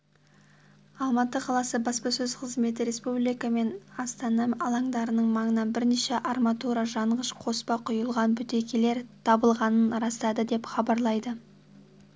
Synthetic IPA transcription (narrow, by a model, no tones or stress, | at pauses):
ɑlˠmɑt̪əqʰɑlˠɑsəbɑspɑsɵz̥qʰəzme̞t̪̬ɪɾe̞spublijkɑme̞nɑst̪ɑnɑɑlˠɑɴd̪ɑɾənəɴmɑɴənɑnbɪɾneʃe̞ʔɑrmat̪uɾaʒɑɴʁəʃqʰo̞spɑqʰʊjəlˠʁɑnbʏt̪e̞kʲe̞le̞ɾt̪ʰɑbəlˠʁɑnənɾɑst̪ɑd̪əd̪e̞pχɑbɑɾlˠɑjd̪ə